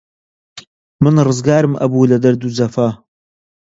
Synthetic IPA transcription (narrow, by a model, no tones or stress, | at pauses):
mɨnrɨzɡaːɾɨmʔɐ̰buːlɐd̪ɐɾd̪ud͡zɐfɐ